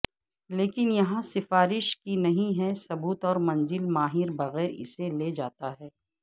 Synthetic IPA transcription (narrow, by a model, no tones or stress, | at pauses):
leːkɪnjɐɦãsɪfaːɾɪʃkinɐɦĩɦɛsɐbuːt̪ɔːɾmɐ̃nzɪlmaːɦɪɾbɐɣɛːɾɪ̰seled͡ʒaːt̪aɦɛː